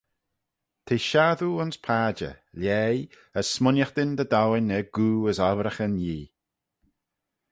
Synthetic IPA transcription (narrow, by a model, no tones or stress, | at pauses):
t̪ʰeːʃaːðuʊnspʰaːd͡ʒə̰ljɛːj | əsmʊnjaxd̪ɪnd̪əd̪awɪnɛɡ̥uːəzavɾəxənjiː